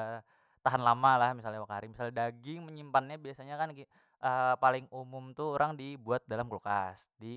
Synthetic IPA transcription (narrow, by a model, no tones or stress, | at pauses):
t̪aɦanlamalahmisalɲawakaɾimisalɲadaɡɪŋməɲimpanɲabiasaɲakanki | ʔəpalɪŋumʊmt̪uoɾaŋdibuat̪̚dalamklukasdi